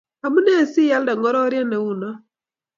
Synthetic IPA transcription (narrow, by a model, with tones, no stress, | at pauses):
a˨mu˦nɛ˦˨si˦ja˦lda˨ŋɡɔ˦ɾɔ˦ɾja˦nɛ˨u˦nɔ˦